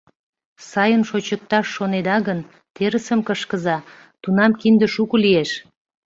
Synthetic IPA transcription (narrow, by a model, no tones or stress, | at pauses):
sɑjənʃot͡ɕək̚t̪ɑʃːoned̪ɑɣən | t̪eɾəsəmkəʃkəzɑ | t̪unɑmkind̪əʃukulieʃ